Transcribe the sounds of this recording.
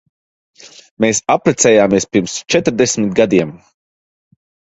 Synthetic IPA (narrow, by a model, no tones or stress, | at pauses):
meːsapɾɛt̪sɛːjaːmiɛspiɾmst͡ʃɛt̪ɾd̪esmʲit̪̚ɡad̪iɛm